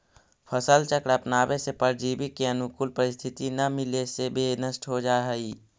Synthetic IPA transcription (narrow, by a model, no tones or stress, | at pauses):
pʰəsəlt͡ʃəkɽaːpnaːwesepəɾd͡ʒiːbɪkeɐnʊkʊlpəɾɪst̪ʰɪt̪inɐmɪlesebeːnəsʈɦod͡ʒaːɦiː